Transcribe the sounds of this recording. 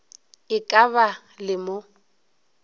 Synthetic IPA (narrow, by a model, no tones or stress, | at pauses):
ɪkʼaβa | lɪmo